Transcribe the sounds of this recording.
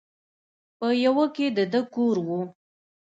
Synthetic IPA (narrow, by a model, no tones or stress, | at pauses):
pəjawəked̪əd̪əkoɾwu